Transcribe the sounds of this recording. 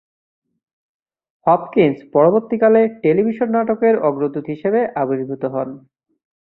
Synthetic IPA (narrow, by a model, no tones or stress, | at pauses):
hɔp̚kinspɔɾoboɾt̪ikaleʈelibʱiʃonːaʈokeɾɔɡɾod̪ut̪ɦiʃebeʔabod͡ʒbʱut̪oɦɔn